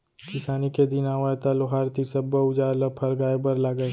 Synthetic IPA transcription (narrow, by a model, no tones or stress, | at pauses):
kɪsaːniked̪inaːwaːt̪aloɦaːɾt̪isɐbːəʊd͡ʒaːɾlɐpʰɐɾɡaːebəɾlaːɡə